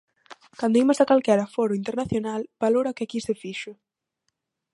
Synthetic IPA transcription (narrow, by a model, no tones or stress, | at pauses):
kand̪oimazðakalkɛɾafoɾʊint̪eɾnaθjonalb̥aloɾaokɪakisefiʃʊ